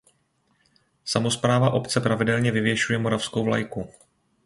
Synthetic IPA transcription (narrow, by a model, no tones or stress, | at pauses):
samo̞spɾaːvaʔo̞pt͡sɛpɾavɪdɛlɲɛvɪvjɛʃujɛmo̞ɾafsko̞wvla̰jku